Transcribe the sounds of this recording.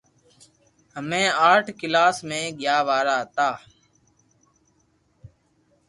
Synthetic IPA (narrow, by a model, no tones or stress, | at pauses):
ɦəmẽːaːʈʰkɪlaːsmẽːɡjaːʋaːɾaːt̪aː